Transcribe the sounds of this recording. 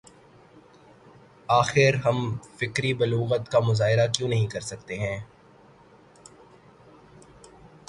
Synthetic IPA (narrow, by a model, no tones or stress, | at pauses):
aːxɪɾɦɐmfɪkɾibɐluːɣət̪kamʊzaːɦɪɾakjõːnɐɦĩkɐɾsɐk̚t̪eɦɛ̃ː